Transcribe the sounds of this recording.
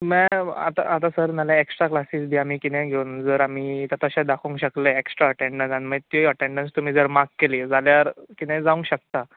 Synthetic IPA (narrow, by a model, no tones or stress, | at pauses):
mɛ̃a̰t̪a̰ʔat̪asəɾnaljãeksʈɾaklasiːsbʱiːamiːkinɛ̃ɡʱeund͡zəɾamiːt̪at̪əɕãd̪akʰũŋkɕəkleeksʈɾaəʈẽɳɖənsaniməit̪iiəʈẽɳɖənst̪um̤iːd͡zəɾmakkːeliːd͡zaljaɾkinɛ̃d͡zaũŋkɕək̚t̪a